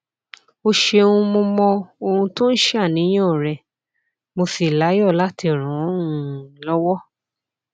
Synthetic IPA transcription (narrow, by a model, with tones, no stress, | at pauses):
o˧ʃe˧ũ˧mo˧mɔ̃˧o˧hũ˧to˦n̩˦ʃɛ˦a˦˨nĩ˨˦j̃ɔ̃˦˨ɾɛ˧ | mo˧si˨la˨˦jɔ˦˨la˦ti˧ɔ˨ɾ̃ɔ̃˨˦ũ˦˨lɔ˦wɔ˦